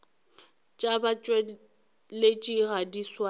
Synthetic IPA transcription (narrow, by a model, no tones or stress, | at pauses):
t͡ʃʼabat͡ʃʼwɛ | let͡ʃʼiɣadiswa